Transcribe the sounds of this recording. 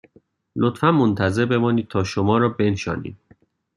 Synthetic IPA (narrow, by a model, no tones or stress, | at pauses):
lot̪fænmont̪ʰæze̞ɾbe̞mɒːniːd̪̚t̪ʰɒːʃomɒːɾɒːbe̞nʃɒ̰ːnḭːd̪̥̚